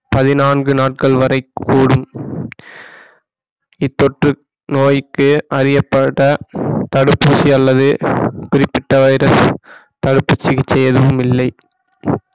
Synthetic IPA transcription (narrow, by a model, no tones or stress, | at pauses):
pɐðɪnaːnɡɯnaːʈ̚kɐɭʋɐɾɐɪkːuːɽɯm | ɪt̪ːɔʈrɯ | noːjɪkːɯɐɾɪjɐpːɐʈːɐt̪ɐɽɯpːuːsiɐlːɐðɯkʊɾɪpːɪʈːɐʋɐɪɾɐs | t̪ɐɽɯpːɯt͡ʃːɪɣɪt͡ʃːɛjːɐðɯʋɯmɪlːɐɪ